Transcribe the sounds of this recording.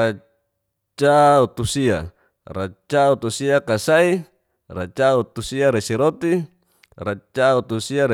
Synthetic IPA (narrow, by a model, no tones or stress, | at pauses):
a | t͡ʃaut̪usia | rat͡ʃaut̪usiakasai | rat͡ʃaut̪usiaɾesiɾot̪i | rat͡ʃaut̪usiaɾe